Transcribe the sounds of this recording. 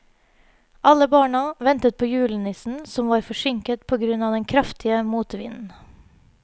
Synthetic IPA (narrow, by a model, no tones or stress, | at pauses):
ʔɑləbɑːɳɑʋɛnt̪ət̪̚pʰoːjʉːlənɪsn̩sɔmʋɑːɾfɔʂʏŋkət̪pʰoːɡɾʉnɑːd̪ɛnkʰɾɑft̪ʰɪəmuːt̪ʋɪ̰nn̩